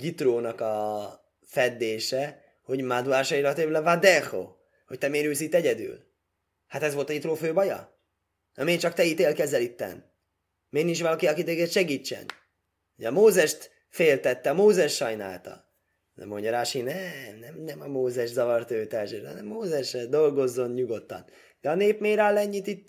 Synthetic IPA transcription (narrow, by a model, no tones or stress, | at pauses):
jit̪roːnɒkɒ | fɛd̪ːeːʃɛ | ho̞ɟmad̪uaːʃɒiɾɒt̪øvlɛvad̪ɛxo̰ | ho̞c̚t̪ɛmeːɾyːlsit̪ːɛɟɛd̪y̰ːl | hat̪ɛzʋo̞lt̪ɒit̪roːføːbɒjɒ̰ | ɒmeːt͡ʃɒkt̪ɛit̪eːlkɛzɛlit̪ːɛ̰n | meːnint͡ʃʋɒlɒkiɒkid̪øːɡɛt̪ʃɛɡiːt͡ʃːɛ̰n | hoɟɒmoːzɛʃt̪ | feːlt̪ɛt̪ːɛɒmoːzɛʃʃɒjna̰ːlt̪ɒ̰ | nɛ̰mːoɲɟɒɾaːʃinɛmnɛmnɛmɒmoːzɛʃzɒvɒrt̪øːt̪ɛlʃøɾɒ̰nɛmːoːzɛʃɛd̪o̞lɡo̞zːo̞nɲuɡo̞t̪ːɒ̰n | d̪ɛɒneːpmeːɾalːɛɲːit̪it̪